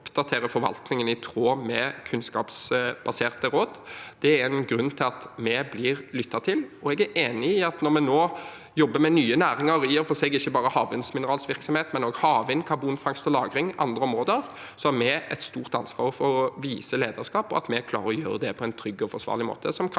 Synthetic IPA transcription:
pd̪̥ɑt̪ʰeːɾəfɔɾʋɑ̰lt̪nɪŋənɪt̪ʰɾoːmɛkʰʉnskɑ̰ːpsb̥ɑseːʁt̪əɾoːd̪d̪̥ɛæɛnɡɾʉnːt̪ʰɪlɑt̪mɛblɪɾlʏt̪ʰːɑt̪ʰɪlɔɛɡæɾʔeːnɪɪɑt̪nɔɾmɛnoː | jɔbːəmɛnyːənæːɾɪŋɑɾiəɾfɔsɛɡɪçːəbɑːɾəhɑːʋɪnsmɪnəɾɑːlsʋɪɾksɔmheːt̪mɛnoːɡhɑːʋɪnkʰɑbuːnfɾɑŋst̪ɔlɑːɡɾɪŋʔɑ̰nd̪ɾəɔmʁoːd̪əɾ | sɔæɾmɛɛt̪st̪uːʁt̪ɑnsʋɑ̰ːɾɔfɔɔʋiːsəleːd̪əʁskɑːpɔɑ̰t̪mɛkʰlɑ̰ːʁəʁɔjøːɾəd̪ɛpʰɔɛɪnt̪ʰɾʏɡːɔfɔsʋɑ̰ːʁlɪmo̰ːt̪ʰəsɔmkʰ

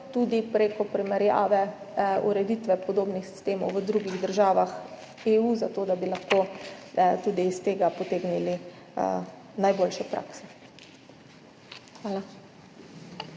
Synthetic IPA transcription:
t̪uːd̪ipɾeːkɔpɾɛmɛɾja̰ːʋɛ | ṵɾɛd̪it̪ʋɛpɔd̪oːbnixsi̥st̪eːmɔwʋəd̪ɾuɡiɣd̪əɾʒaːʋax | eːuzat̪oːd̪abilaxkoː | t̪uːd̪iːst̪eːɡapɔt̪eːɡnilḭ | najboːlʃɛpɾa̰ːksɛ̥ | xʋaːla

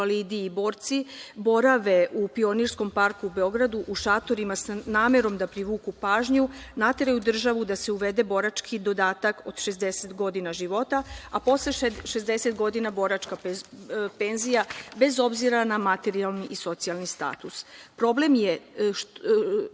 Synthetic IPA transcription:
alid̪iːbo̞ːɾt̪sibo̞ɾaʋe̞ʔupio̞niɾsko̞mpaɾkuːbe̞o̞ɡɾad̪uʔuʃat̪o̞ɾimasnaːme̞ɾo̞md̪apɾiʋuːkupaːʒɲunat̪e̞ɾajud̪r̩ʒaʋud̪ase̞uʋe̞d̪e̞bo̞ɾat͡ʃkʰid̪o̞d̪aːt̪ako̞d̪ʃe̞zd̪e̞set̪ɡo̞d̪inaʒiʋo̞t̪aapo̞sleʃezd̪e̞se̞t̪ɡo̞d̪inabo̞ɾat͡ʃka | pe̞nzijabe̞zo̞bziɾanamat̪e̞ɾialniʔiso̞t̪sialˠnist̪a̰ːt̪uspɾo̞ble̞mje

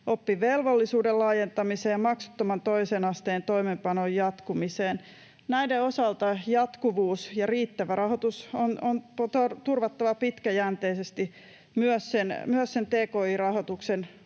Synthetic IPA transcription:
ʔopːiʋelʋolːisuːdellɑːjent̪ɑmiseːjɑmɑksu̥t̪ːomɑnt̪oisenɑst̪eːnt̪oimempɑnojjɑt̪kumiseːn | næideosɑlt̪ɑjɑt̪kuʋuːsjɑriːt̪ːæʋærɑhot̪usononpot̪ort̪urʋɑt̪ːɑʋɑpit̪kæjænt̪eisest̪i | myøssenmyøssent̪eːkoːirɑhot̪uksen

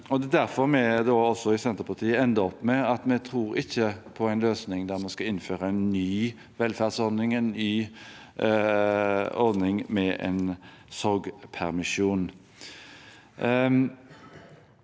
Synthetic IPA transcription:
ɔd̪ɛd̪æɾfɔɾmɛd̪oɔsɔɪsɛnt̪əpʰɑt̪ʰiːəɛnd̪əɔpːmɛɑt̪mɛt̪ʰɾuːɾɪçːəpʰɔæɪnløːsnɪŋd̪æɾmɑskɑɪnːføːɾəæɪnːyː | ʋɛlfæːʁd̪sɔɾd̪nɪŋənɪ | ɔɾd̪nɪŋmɛɛ̰ɪn | sɔɾɡpʰæɾmɪʃuːn

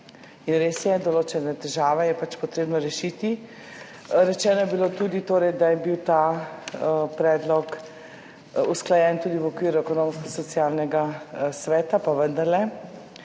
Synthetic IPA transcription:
inɾesjɛd̪ɔloːt͡ʃɛnat̪ɛʒaːʋɛjɛpat͡ʃpɔt̪ɾeːbnɔɾɛʃit̪i | ɾɛt͡ʃɛːnɔjɛbilot̪ud̪it̪oːɾɛjd̪ajɛbiwt̪a | pɾɛːd̪lɔk | usklajɛːnt̪uːd̪iʋɔkʋiːɾuɛkɔnoːmskɔsɔt̪siaːlnɛɡasʋɛːt̪apaʋənd̪ɐɾlɛ

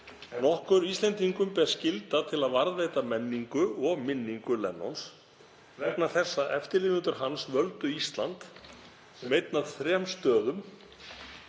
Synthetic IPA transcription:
nɔhkʏɾist̪lɛnt̪iŋkʏmpɛɾ̥scɪlt̪at̪ʰɪlaðvaɾðvejt̪amɛnːiŋkʏɔɣmɪnːiŋkʏlɛ̰nːɔ̰ns | vɛknaθɛsːaʔɛft̪ɪɾlɪnɪnt̪ʏɾ̥ɦansvœlt̪ʏist̪lant̪ | mejt̪naðθɾɛmst̪œːðʏm

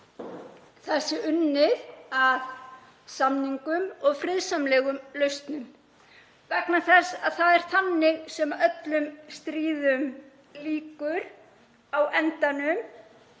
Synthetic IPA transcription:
θɛsːɪʏnːɪðað | samniŋkʏmɔɣfɾɪðsamlɛːɣʏmlœɥst̪nʏm | vɛknaθɛsːaðθaðɛɾ̥θanːɪɣsɛmaœt̪lʏmst̪ɾiːðʏm | liːkʏɾ̥ | awɛnt̪anʏm

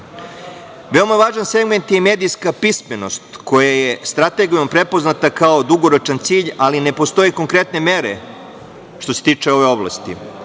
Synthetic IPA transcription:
ʋe̞omaʋaːʒanse̞ɡment̪jemed̪ijskapisme̞no̞st̪ko̞jaje̞st̪ɾat̪e̞ɡijompɾe̞po̞znat̪akao̞d̪uɡo̞ɾot͡ʃant̪siːʎaline̞po̞st̪o̞jeko̞ŋkɾe̞t̪ne̞me̞ɾe | ʃt̪ose̞t̪iːt͡ʂe̞o̞ʋeo̞blˠa̰st̪i

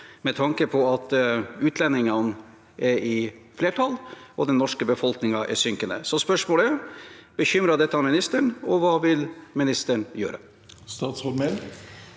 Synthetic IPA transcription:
mɛt̪ʰɑŋkəpʰɔɑt̪ʉːt̪ʰlɛnːɪŋɑn | ʔɛɾɪfleːʈʰɑlɔd̪ɛnːɔʂkəbəfɔlknɪŋɑʔɛ̰sʏŋkənə̰sɔspœʂmoːləɛb̥əçʏmɾɑd̪ɛt̪ːəɑnmɪnɪst̪əɳɔʋɑːʋɪlmɪnɪst̪əɳjø̰ːɾə | st̪ɑːt̪sɔɾmɛl

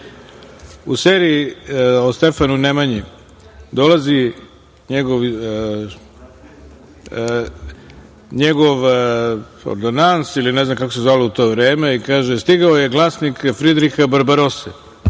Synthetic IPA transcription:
useːɾiiost̪e̞fanunemaɲi | d̪o̞lazi | ɲeɡoʋ | ɲeɡoʋ | o̰ɾd̪onansilineznamkakosezʋalout̪o̞ːʋɾeːmeikaːʒest̪iɡaojeɡlˠaːsnikfɾid̪ɾixabaɾbaɾosɛ̰

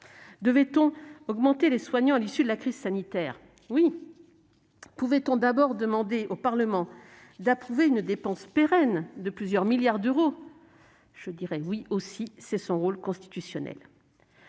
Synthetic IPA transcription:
d̪əvɛt̪ɔ̃ɔɡmɑ̃t̪eleswaɲɑ̃alisyd̪əlakχiz̥sanit̪ɛːʁ | wi | puvɛt̪ɔ̃d̪abɔʁd̪əmɑ̃d̪eʔopaʁləmɑ̃ | d̪apχuveynd̪epɑ̃speʁɛnd̪əplyzjœʁmiljaʁd̪øʁo | ʒ̥əd̪iʁɛwiosisɛsɔ̃ʁolkɔ̃st̪i̥t̪ysjɔnɛ̰l

